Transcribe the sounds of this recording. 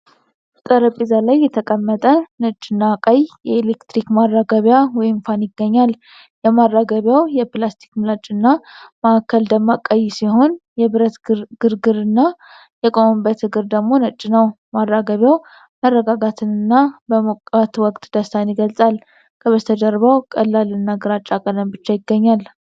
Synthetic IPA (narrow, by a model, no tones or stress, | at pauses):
t̪ʼəɾəpʼizalajːɛt̪ʰəkʼəmːət̪ʼənət͡ʃʼːɪnːakʼajjɛelekt̪ɾikmarːaɡəβjawɔjɪmfanjɪɡːəɲːal | jɛmarːaɡəβjawjɛplast̪ʰi̥kmɨlat͡ʃʼɨnːamaʔːkʰːəld̪əmːakʼajsiho̞njɛβɨɾət̪ɡ̥ɨɾɡɨɾɨnːa | jɛkʼombət̪hɨɡɨɾd̪əɡmo̞nət͡ʃʼːɪnəw | marːaɡəβjaw | mərːəɡaɡat̪ʰɨnɨnːabəməkʼat̪wɔkʼt̪d̪̥əst̪ʰanjɪɡəlsʼal | kʰəβət̪ʰəd̪əɾβawkʼəlːalɨnːaɡɨɾat͡ʃʼːakʼələnbɨt͡ʃːajɪɡːəɲːal